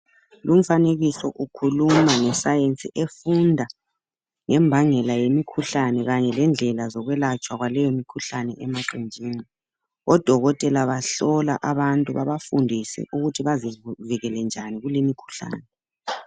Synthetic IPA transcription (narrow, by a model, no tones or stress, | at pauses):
lum̩faneɣisɔ̰ʔukʰulumanɛsajent͡sʼḭʔefundʱa | ŋɛmbʱaŋɛlajemikʰuɬanɛɣaɲɛlɛnd͡ɮʱɛlazɔɣwɛlat͡ʃʼwaɣwalɛjomikʰuɬanɛ̰ʔɛmaǃind͡ʒʱiːni | ɔd̥ʱɔɣɔtʼɛlaβaɬɔla̰ʔaβantʼuβaβafundʱisɛ̰ʔuɣutʰiβaziviɣɛlɛnd͡ʒʱaniɣulimikʰu̥ɬa̰ːnɛ